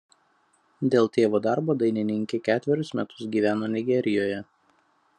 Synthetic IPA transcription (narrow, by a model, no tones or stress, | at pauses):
d̪ʲeːlˠt̪ʲeːʋoːd̪ɑˑɾboːd̪ɐɪnʲɪnʲɪŋʲkʲekʲæːt̪ʲʋʲɛɾʲʊsmʲɛt̪ʊ̥sɡʲiːʋʲæːnoːnʲɪɡʲɛɾʲɪjoːjɛ